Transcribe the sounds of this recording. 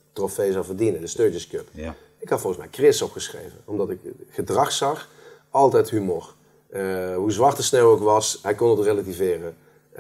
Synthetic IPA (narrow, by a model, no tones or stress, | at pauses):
trofejzɑwvərdinədəstøːɹtəskøp | ɪkhɑtfɔlˠɣənsmɛjkrɪsɔpχəsχrḛjvə̰nɔmdɑtɪkχədrɑxsɑx | ʔɑlˠtɛjtɦymoɹ | ɦuzʋɑɹtəsnɛwokʋɑsɦɛjkɔnətrelativɪːrə